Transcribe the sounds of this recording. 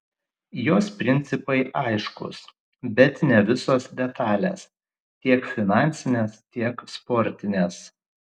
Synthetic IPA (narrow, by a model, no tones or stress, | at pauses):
joːspʲɾʲɪnʲt̪sʲɪpɐɪʔɐɪʃkʊ̰s | bʲɛt̪nʲɛʋʲɪsoːsd̪ʲɛt̪ɑːlʲḛːs | t̪ʲiɛkfʲɪnɑˑnʲt̪sʲɪnʲeːst̪ʲiɛkspɔːɾʲt̪ʲɪnʲeːs